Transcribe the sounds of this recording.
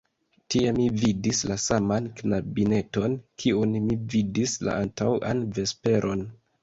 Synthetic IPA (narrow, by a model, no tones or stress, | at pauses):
tiemividislasamanknabine̞to̞nkʰiunmividisla̰ʔantawʔa̰nve̞spe̞ɾʔo̞n